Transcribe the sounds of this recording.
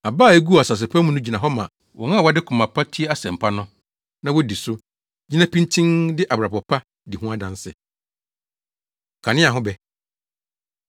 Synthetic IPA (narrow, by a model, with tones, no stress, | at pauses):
a˨baː˦˨e˦ɡu˦˨a˨sa˨s̬ɪ˨pʰã˦mũ˦nʊ̃˦d͡ʑi˨nã˨ɦɔ˦mã˨ | wɔ˨ŋã˦˨wa˦dɪ˦kʰʊ˨mã˨pʰa˦tʰi˦e˦a˦sɛ̃˨m̩˨pʰa˦nʊ̃˦ | nã˦wɔ˦di˨sʊ˦ | d͡ʑi˦nã˦pʰĩ˦ntʰĩ˦ndɪ˦ʔa˨bɾa˨pɔ˨pʰa˦ | di˨ɦũ˦a˦dã˨nsɪ̰˨ | kʰã˨nɪ̃˦a˨ɦʊ̃˦bɛ˨